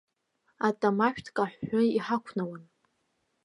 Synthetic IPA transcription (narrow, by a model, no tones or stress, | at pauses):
atʼamaʃᶣtʰkʼaħʷːʊiħakʷʰnawan